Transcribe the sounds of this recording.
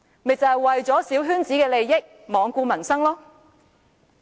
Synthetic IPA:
mɪ˨k̚t͡sɐ˨˧hwɐ˨jt͡sɔː˨˥siː˨˥wɦyː˥nt͡siː˨˥kɛː˧le˨jːɪ˥k̚ | mɔː˨˧ŋkuː˧mɐ˨˩nsɐ˥ŋlɔː˥

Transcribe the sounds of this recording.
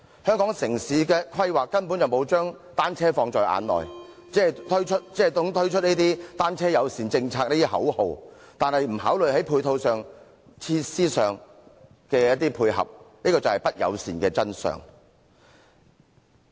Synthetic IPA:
hœː˥ŋkɔː˨˥ŋsɪ˨˩ŋsiː˨˥kɛː˧kʰɐ˥jwaː˨kːɐ˥npu˨˥njɐ˨wmo˨˧wt͡ʃœː˥ŋ | t̪aː˥nt͡sʰɛː˥fɔː˧ŋt͡ʃɔː˨jʔa̰ː˨˧nlɔ̰ː˨j | t͡sɛː˨˥˨t̪ʰɵ˥ɥt͡ʃʰɵ˥t̚t͡sɛː˨˥˨jt̪ʊ˥ŋt̪ʰɵ˥ɥt͡ʃʰt̚neː˥t̪iː˥t̪aː˥nt͡sʰɛː˥jɐ˨˧wsiː˨˩nt͡sɪ˧ŋt͡sʰaː˧k̚neː˥t̪iː˥ɦɐ̰˨˥who˨˧w | t̪aː˨nhɐ˨jm̩˨˩haː˨˥wlɵ˨ɥhɐ˨˥jpʰuː˧jt̪ʰo˧wsœː˨ŋ | t͡sʰiː˧˥siː˥sœː˨ŋ | kɛː˧jɐ˥t̚t̪iː˥pʰuː˧jhɐ̰˨˩p̚niː˥kɔː˧t͡sɐ˨whɐ˨˩jpɐ˥t̚jɐ̰˨˧wsḭː˨˩nkɛː˧t͡sɐ˥nsœ̰ː˨˩ŋ

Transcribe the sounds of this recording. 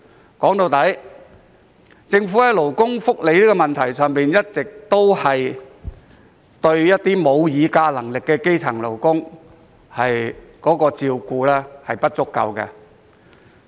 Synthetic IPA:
kɔː˨˥ŋt̪o˧wt̪ɐ˨˥j | t͡sɪ˧ŋfu˨˥ɛ˨˥lo˨˩wkʊ˥ŋfʊ˥k̚le˨˧jliː˥kɔː˧mɐ˨nt̪ʰɐ˨˩jsœː˨ŋpiː˨njɐ˥t̚t͡sɪ˨k̚t̪o˥whɐ˨j | t̪ɵ˧ɥjɐ˥t̚t̪iː˥mo˨˧wjiː˨˧kaː˧lɐ˨˩ŋlɪ˨kːɛː˧ke˥jt͡sʰɐ˨˩ŋlo˨˩wkʊ˥ŋ | hɐ˨jkɔː˨˥kɔː˧t͡siː˧wkuː˧lɛː˥hɐ˨jpɐ˥t̚t͡sʊ˥kːɐ̰˨wkɛ̰˧

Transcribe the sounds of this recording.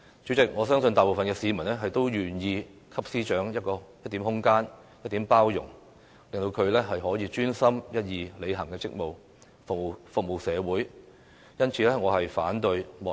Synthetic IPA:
t͡ʃy˨˥t͡sɪ˨k̚ŋɔː˨˧sœː˥ŋsɵ˧nt̪aː˨jpo˨wfɐ˨nkɛː˧siː˨˧mɐ˨˩nlɛː˥ɦɐ˨jt̪o˥wjyː˨njiː˧ | kʰɐ˥p̚siː˥t͡ʃœː˨˥ŋjɐ˥t̚kɔː˧jɐ˥t̚t̪iː˨˥mhʊ˥ŋkaː˥n | jɐ˥t̚t̪iː˨˥mpaː˥wjʊ̰˨˩ŋ | lɪ˨ŋt̪o˧wkʰɵ˨˧ɥlɛː˥ɦɐ˨jɦɔː˨˥jiː˨˧t͡ʃyː˥nsɐ˥mjɐ˥t̚jiː˨˧le˨˧jɦɐ˨˩ŋkɛː˧t͡sɪ˥k̚mo˨w | fʊ˨k̚mo˨˩wfʊ˨k̚mo˨˩wsɛː˨˧wuː˨˥j | jɐ˥nt͡sʰiː˨˧lɛː˥ŋɔː˨˧hɐ˨jfa̰ː˨˥nt̪ɵ˧ɥmɔ˨

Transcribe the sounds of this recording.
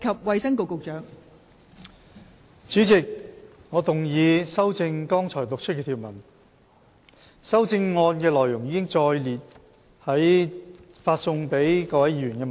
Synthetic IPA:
kʰɐ˨p̚wɐ˨˧jsɐ˥ŋko˨˧wkʊ˨k̚t͡ʃœː˨˥ŋ | t͡syː˨˥t͡sɪ˨k̚ŋɔː˨˧t̪ʊ˨ŋjiː˨˧sɐ˥wt͡sɪ˧ŋkɔː˥ŋt͡sʰɔː˨˩jt̪ʊ˨k̚t͡ʃʰt̚kɛː˧t̪ʰiː˨˩wmɐ˨˩n | sɐ˥wt͡sɪ˧ŋːɔː˧nkɛː˧lɔː˨˩jʊ˨˩ŋjiː˨˧kɪ˥ŋt͡sɔː˧jliː˨t̚ | hɐ˨˥j | faː˧t̚sʊ˧ŋpe˨˥jkɔː˧wɐ˨˥jiː˧˩ɥy˨˩nkɛː˧m˨

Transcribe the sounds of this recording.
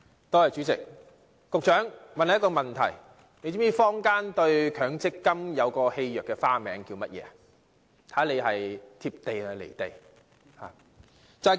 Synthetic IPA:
t̪ɔː˧jɐ˨˩t͡ʃy˨˦˥t͡sɪ˨k̚ː | ʊ˨k̚t͡ʃœː˨˥ŋmɐ˨nha˨˦jkɔː˧mɐ˨nt̪ʰɐ̰˨˩j | ne˨˧jt͡ɕiː˨˥mjiː˧fɔː˥ŋkaː˥nt̪ɵ˧ɥkʰœː˨˥ŋt͡sɪ˥kːɐ˥mjɐ˨˧wkɔː˧he˧jjœː˨˩kːɛː˧faː˥mɛː˨˧ŋkiː˧wmɐ˥t̚jɛ̰ː˨˧ɐ | t̪ʰaː˨˥le˨˧jɦɐ˨jt̪ʰiː˧p̚t̪e˨jnɵ˨˧lḛ˨˩jt̪e˨j | ha̰ː˨˩ | t͡sɐ˨

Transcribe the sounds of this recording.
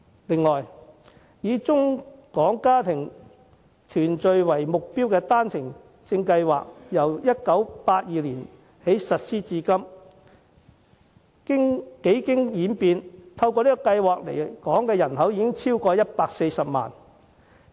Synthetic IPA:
lɪ˨ŋlɔː˨˩j | jiː˨˧t͡sʊ˥ŋkɔː˨˥ŋkaː˥t̪ʰɪ˨˩ŋ | t̪ʰyː˨˩nt͡sɵ˧ɥwɐ˨˩jmʊ˨k̚piː˥wkɛː˧t̪aː˥nt͡sʰɪ˨˩ŋ | t͡sɪ˧ŋkɐ˧jwa̰ː˨k̚jɐ˨˩wjɐ˥t̚kɐ˨˥wpaː˧t̚jiː˨liː˨˩n | he˨˥jsɐ˨t̚siː˥t͡siː˧kɐ˥m | kɪ˥ŋke˨˥jkɪ˥ŋjiː˨˥npiː˧nt̪ʰɐ˧wkɔː˧liː˥kɔː˧kɐ˧jwaː˨k̚lḛ˨˩kɔː˨˥ŋkɛː˧jɐ˨˩nɦɐ˨˥wjiː˧kɪ˥ŋt͡sʰiː˥wkɔː˧jɐ˥t̚paː˧k̚se˧jsɐ˨p̚ma̰ː˨˩n

